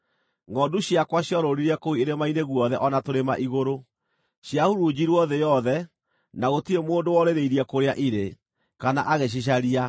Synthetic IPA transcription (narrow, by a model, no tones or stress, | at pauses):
ŋɔduɕjakwaɕjɔɾoɾiɾɛkoieɾemaineɣwɔðɛʔɔnatoɾema̰ʔiɣoɾo | ɕjahuɾud͡ʑiɾwɔðɛjɔðɛ | naɣotiɾemoːndowɔɾeɾeiɾiɛkoɾeaʔiɾe | kana̰ʔaɣeɕ̬iɕ̬aɾia